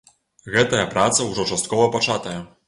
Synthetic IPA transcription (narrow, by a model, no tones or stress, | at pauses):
ɣɛt̪ɐjɐpɾat̪sɐwʐɔt͡ʂast̪̚kɔvɐpat͡ʂat̪ɐjɐ